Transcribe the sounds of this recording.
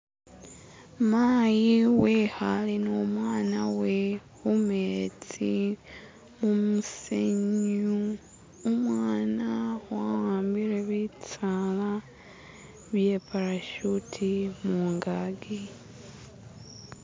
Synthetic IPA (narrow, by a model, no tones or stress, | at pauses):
maːjiwehalinoːmwaːnawehumet͡si | mumuseɲu | omwaːnawahaːmbiɾeβit͡sala | βje̞ːpaɾaʃutʰimuːŋɡaɡi